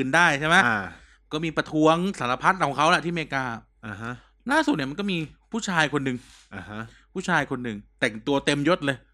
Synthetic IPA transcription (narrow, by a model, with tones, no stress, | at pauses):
ʔɯː˨˩ndaː˥˩jt͡ɕʰa˥˩ma˦˥a˧ | kɔː˥˩miː˧pɾa˧t̪ʰu˦˥əŋsa˩˦la˧pʰa˦˥t̪̚kʰɔː˨˩˦ŋkʰa˦˥wla˨˩t̪ʰiː˥˩meː˧kaː˧ | ʔa˧ɦa˦˥ | laː˥˩su˨˩ni˥˩ma˧nkɔː˥˩miː˧pʰuː˥˩t͡ɕʰaː˧jkʰo˧nːɯ˨˧ŋ | ʔa˧ha˦˥ | pʰuː˥˩t͡ɕʰaː˧jkʰo˧nːɯ˨˧ŋt̪ɛ˨˩ŋt̪u˧ɐt̪e˧mjo˦˥t̪̚lɤː˧j